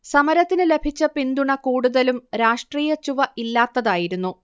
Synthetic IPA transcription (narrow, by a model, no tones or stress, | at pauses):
sɐmɐɾɐt̪ːinɨle̞bʱit͡ɕːɐpind̪uɳɐkuːɽuðɐlumɾaːʂʈriːjɐt͡ɕuʋɐʔilːaːt̪ːɐðaːjiɾunːu